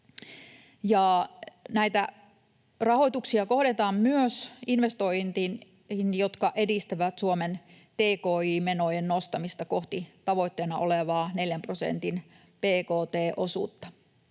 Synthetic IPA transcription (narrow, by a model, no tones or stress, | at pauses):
jɑˑnæit̪æ | rɑhoit̪uksiɑko̞hɾet̪ɑːmmyøsinʋest̪oint̪in | injot̪kɑʔedist̪æʋæt̪suomen | t̪eːkoːiːmenojennost̪ɑmist̪ɑkoht̪it̪ɑʋo̞it̪ːeːnɑʔoleʋɑːneljæmprosḛnt̪in | peːkoːt̪eːʔosṵt̪ːɑ̥